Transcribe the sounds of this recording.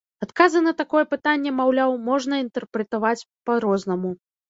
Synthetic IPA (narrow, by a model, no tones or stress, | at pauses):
at̪kazɨnɐt̪akɔjɛpɨt̪anʲːɛmawlʲawmɔʐnɐint̪ɛrpɾɛt̪avat͡sʲ | paɾɔznɐmu